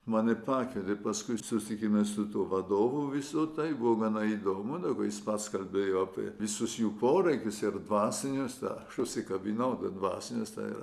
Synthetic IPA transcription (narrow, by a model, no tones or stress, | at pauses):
mɑːnʲɪpɑːkʲʋʲɪd̪ʲɪpɐskʊɪsʊt̪ʲɪkʲɪmʲeːssʊt̪uːʋɐd̪oːʋuʋʲɪsot̪ɐɪbʊʋoːɡɐnɐid̪oːmʊd̪ɐɡoːjɪspɐt̪skɐlʲbʲeːjoːɑpʲḭʋʲɪsʊsjuːpoːɾɐɪkʲʊsɪrd̪ʋɑːsʲɪnʲʊst̪ɑ̰ɐʃʊʃʲsʲɪkɐbʲinɐʊt̪ɐd̪ʋɑ̰ːsʲɪnʲost̪ɑ̰ḭrɐ